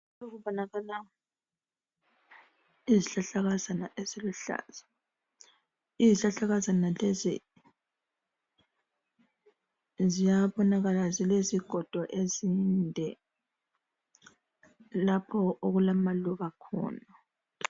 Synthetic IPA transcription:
oɣuβɔnaɣala | iziɬaɬaɣazanaʔeziluɬa̰ːz̥a | iziɬaɬaɣazanalezḭ | zijaβɔnaɣalazileziɡ̥ʱɔd̥ʱɔʔezindʱɛ | lapʰɔʔoɣulamaluβakʰɔ̰ːna

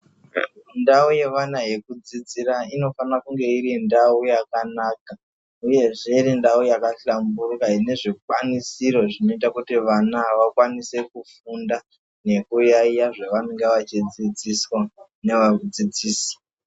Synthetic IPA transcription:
ndauje̞ʋanaɦe̞kud͡zid͡ziɾaino̞fanakuŋɡe̞iɾindaujakanaːka | uje̞ʐe̞irindaujakaɬamburkaine̞ʐik̚wanisiɾo̞ʐino̞itakutiʋanaʋakwanise̞kufunda | ne̞kujaijaʐeʋaneŋɡeʋat͡ʃid͡zid͡ziswa | neʋaud͡zid͡ziːsḁ

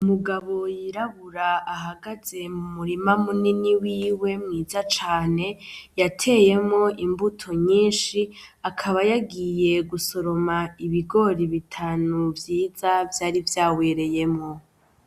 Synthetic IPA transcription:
umuɡaβo̞jiɾaβuɾaaɦaɡaze̞mumuɾimamuniniwiːwe̞mŋiːzat͡ʃaːne̞jatʰe̞ːje̞mŋo̞ʔimbutʰo̞ɲiːnʃiakʰaβajaɡije̞ɡuso̞ɾo̞maiβiɡo̞ɾiβitʰaːnuvjiːzavjaːɾivjaːwe̞ːɾe̞je̞mŋo̞

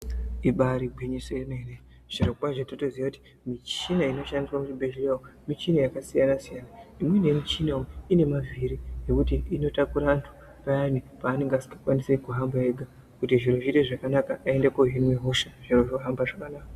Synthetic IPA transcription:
iɓaɾiɡʱweɲisoenene | ʐ̥irokupaʐatatoziakuti̥ | mit͡ʃinaino̞ʃandiswamut͡ʃibʱeʒileomit͡ʃinajakasijanasijanaimwenemit͡ʃinaoine̞mavʱiɾine̞kutiːno̞takuɾantʰu̥ | pajanipaːne̞ŋɡeasi̥kakwanisekuɦambaeɡʱa | kutiʐiɾoʐiteʐakanakaʔːe̞ndekoɦinweɦoʃaʐ̥iroʐoɦambaʐakanaːka

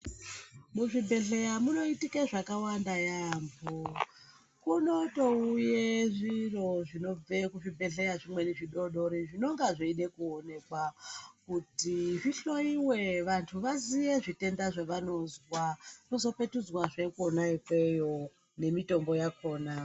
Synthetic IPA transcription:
muʐibʱe̞ɮe̞jamuno̞itikeʐakawandajambo | kuno̞to̞ujeʐiro̞ʐino̞b͡vekuʐibʱe̞ɮe̞jaʐimwe̞neʐiɗo̞ɗo̞ɾiʐino̞ŋɡaʐeiɗe̞kuone̞kwakutiʐiɬo̞iwe̞ʋantʰuʋazijeʐite̞ndaʐeʋano̞zwano̞zo̞pe̞tud͡zwaʐekonajokejo | ne̞mito̞mbo̞jakʰo̞ːna

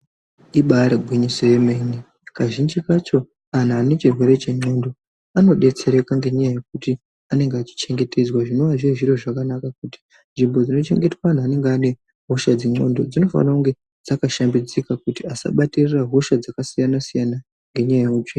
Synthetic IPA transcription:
iɓaɾeɡʱwiɲisejemeni | kaʒind͡ʒikat͡ʃo̞ | an̤aːne̞t͡ʃirwe̞ɾe̞t͡ʃe̞ŋ͡ǀo̞ndo̞ | ano̞ɗe̞t͡se̞ɾe̞kaŋɡe̞ɲajaje̞k̚uti | ane̞ŋɡeat͡ʃi̥t͡ʃe̞ŋɡe̞tʰe̞d͡zwaʐino̞ʋaʐieʐiɾo̞ʐakanakak̚uti̥ | nʐimbo̞d͡zino̞t͡ʃe̞̰ŋɡe̞twan̤aːne̞ŋɡeane̞ | ɦo̞ʃad͡zeŋ͡ǀo̞̰ndo̞d͡zino̞fa̰nauŋɡe̞ | d͡zakaʃambid͡zikakutiasa̰ɓatiriraɦo̞ʃad͡zakasijanasijana | ŋɡe̞ɲajajeut͡ʃeni

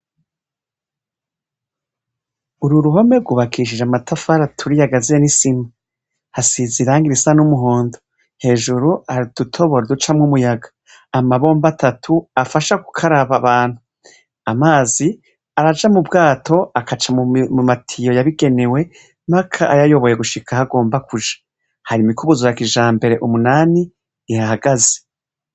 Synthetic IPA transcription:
uɾuɾuɦo̞me̞ɾɡuβakʰiʃ̬id͡ʒamatafaɾatʰuɾijaɡazinisima | hasiziɾaːŋɡiɾisanumuɦoːndo | he̞ːʒuɾuaɾid̥utʰo̞βo̞ɾodut͡ʃamŋumujaɡḁ | amaβo̞ːmbatatʰuafaʃaɡu̥kʰaɾaβaβaːn̥hu | amaːzi | aɾad͡ʒamubɡaːtʰo̞akat͡ʃamumumatʰijo̞jaβiɡe̞ne̞we̞ | makʰaʔajajo̞βo̞je̞ɡuʃikʰahaɡo̞ːmbakuʒḁ | haɾimikuβuzojakiʒaːmbe̞ɾe̞ʔumunaːniː | hahaɡaze̥

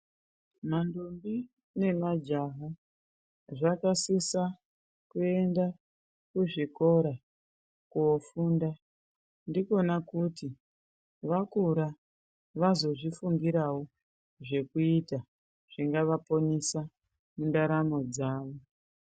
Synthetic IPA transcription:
mandombi | ne̞mad͡ʒaɦa | ʐakasisa | kue̞nda | kuʐiko̞ɾa | kuofuːnda | ndiko̞nakuti | ʋakuɾa | ʋazo̞ʐifuŋɡiɾawo | ʐe̞kuita | ʐ̥iŋɡaʋapo̞nisa | mundaɾamo̞d͡zaːʋo

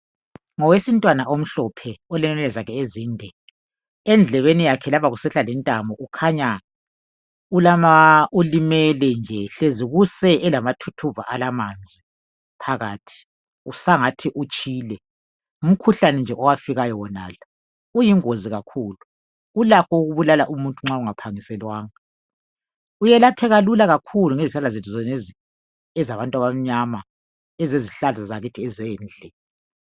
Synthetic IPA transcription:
ŋɔwesintʼwanaʔom̩ɬɔpʰɛɔlɛnɛnɛlɛzakʰɛeziːndʱɛ | ɛnd͡ɮʱɛβenijakʰɛlaβaɣusɛɬalɛntʼambʱɔʔukʰaɲa | ulamaulimɛlɛnd͡ʒʱɛɬeziɣusɛʔɛlamatʰutʰuva̰ʔalamand͡zʱi | pʰaɣaːtʰi̥ | usaŋatʰiʔut͡ʃʼiːlɛ | um̩kʰuɬanɛnd͡ʒʱɛʔɔwafiɣajɔwɔna̰ːla | ujiŋoziɣakʰuːlu | ulakɔuɣuβulalaʔumuntʼuŋ͡ǁauŋapʰaŋisɛlwaːŋa | ujɛlapʰɛɣalulaɣakʰuluŋeziɬalazetʰuzɔn | ɛzaβantʼwaβam̩ɲama | ɛzeziɬalzazaɣitʰiɛzɛːnd͡ɮʱɛ

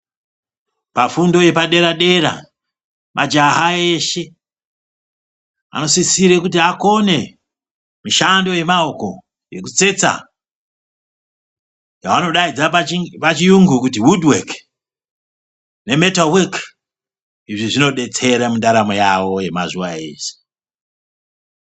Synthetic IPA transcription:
pafundo̞je̞paɗe̞ɾaɗe̞ɾa̰ | mʔa̰d͡ʒaɦaeʃe̞ | a̰no̞sisiɾekut̬iako̞ne̞ | miʃando̞je̞mao̞ko̞̰ | je̞̰kut͡se̞t͡sa̰ | jawano̞ɗaid͡zapat͡ʃijuŋɡukutiwudwek | ne̞metalwek | iʐiʐino̞ɗe̞t͡se̞ɾamundaɾamojawo̞je̞mazuwa̰e̞̰ːʃe̥

